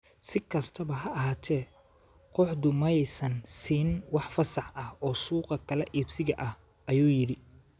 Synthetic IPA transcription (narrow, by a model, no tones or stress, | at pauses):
sɪkʰɐst̪ʰɐβɐɦɐʔɐɦaːt̪ʰɛː | qʊħd̪ʊmɐjsɐnsiːnwɑħfɐsɑħɐhɔːsuːqɐkʰɐlɛʔiːbsɪɣɐʔɐh | ʔɐjuːjɪɽɪ